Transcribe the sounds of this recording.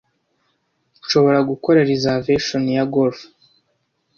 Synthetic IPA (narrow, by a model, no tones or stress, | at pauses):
ʃo̞βo̞ɾaɡuko̞ɾaɾizaveʃonijaɡolf